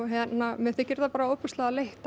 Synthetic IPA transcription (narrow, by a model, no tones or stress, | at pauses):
ɦɛt̪namɛðθɪcɪɾðapaːɾaopʏst̪laðaleht̪